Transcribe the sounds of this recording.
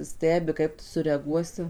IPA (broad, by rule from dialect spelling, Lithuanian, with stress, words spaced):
ˈsʲtʲæːbʲɪ ˈkɐɪp tʊ sʊrʲɛɐˈɡuɔsʲɪ